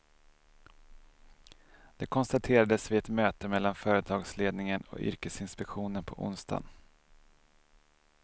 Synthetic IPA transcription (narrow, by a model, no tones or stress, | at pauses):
d̪̥ɛkʰɔnst̪at̪ʰeːɾad̪əsvɪɛt̪møːt̪əmɛlːanfœːɾət̪ʰɑːɡsleːd̪nɪŋənɔ̰ʏ̰ɾkəsɪnspɛkɧuːnənpʰɔʔʊ̰nst̪ʰa̰n